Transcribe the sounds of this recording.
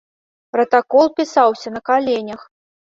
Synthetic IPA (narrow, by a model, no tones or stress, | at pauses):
pɾɐt̪akɔlˠpʲisawsʲɐnɐkalʲenʲɐx